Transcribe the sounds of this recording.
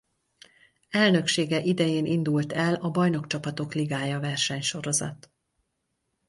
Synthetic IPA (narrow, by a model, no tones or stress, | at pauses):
ɛlnø̞kʃeːɡɛʔid̪ɛjeːnind̪ult̪ɛlɒbɒjno̞kt͡ʃɒpɒt̪okliɡaːjɒvɛrʃɛɲʃo̞ɾo̞zɒ̰t̪